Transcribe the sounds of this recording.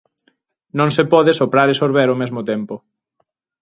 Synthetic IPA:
nõŋsepɔðɪesopɾaɾesoɾβɛɾomezmot̪ɛmpo

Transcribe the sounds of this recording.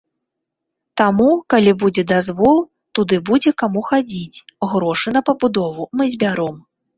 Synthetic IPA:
t̪amukalʲibud͡zʲɛd̪azvɔlˠ | t̪ud̪ɨbud͡zʲɛkamuxad͡zʲit͡sʲɣɾɔʂɨnɐpɐbud̪ɔvumɨzʲbʲaɾɔm

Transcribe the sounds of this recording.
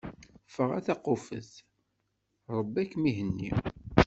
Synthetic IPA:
fəʁæ̰θɑqʊfə̰θ | ɾˤəbːækːmiɦənːḭ

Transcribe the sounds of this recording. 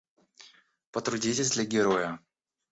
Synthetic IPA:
pət̪ɾʊdʲitʲɪzʲd̪lʲɐɡʲɪɾo̞jə

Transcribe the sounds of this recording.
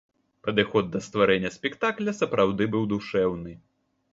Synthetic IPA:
pɐd̪ɨxɔd̪̚ːɐst̪vaɾɛnʲːɐsʲpʲɛkt̪aklʲɐsɐpɾawd̪ɨbɨwd̪uʂɛwnɨ

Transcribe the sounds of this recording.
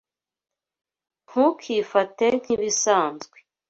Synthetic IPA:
ŋ̥hukʰiːfaten̥hiβisaːnzɡwe

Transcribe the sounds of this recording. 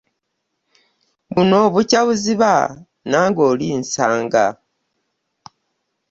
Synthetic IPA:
βuno̞βucaβuziβa | naːŋɡoːlinsaːŋɡa

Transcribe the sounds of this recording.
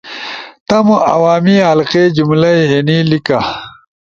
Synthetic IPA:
t̪ɐmuʔɐ̰waːmiɦɐlqed͡ʑumlɐjenilika

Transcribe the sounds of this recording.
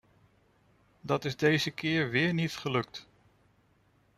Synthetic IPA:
dɑtɪzdejzəkɪːɹʋɪːɹnitχəlɵk̚t

